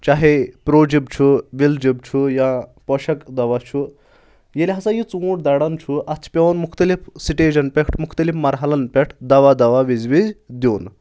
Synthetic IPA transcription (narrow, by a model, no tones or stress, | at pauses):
t͡ʃaɦepɾoːd͡ʒibt͡ʃʰuʋild͡ʒib̚t͡ʃʰujãpɔʃɐkd̪ɐʋat͡ʃʰu | jelʲɦɐsajit͡suʈd̪aɽɐnt͡ʃʰuʔɐt͡ʃʰpʲeʋɐnmukt̪ɐlifsiʈed͡ʒɐnpʲekʰʈʰmukʰt̪ɐlifmɐɾɦɐlɐnpʲeʈʰd̪ɐʋad̪ɐʋaʋid͡zʋid͡zd̪ʲiːn